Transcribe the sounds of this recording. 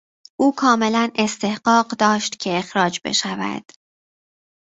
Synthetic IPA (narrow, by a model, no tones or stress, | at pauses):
ʔuːkʰɒːme̞læne̞st̪e̞hɢɒːɢd̪ɒːʃt̪cʰe̞exɾɒːd͡ʒbe̞̰ʃævæ̰d̪̥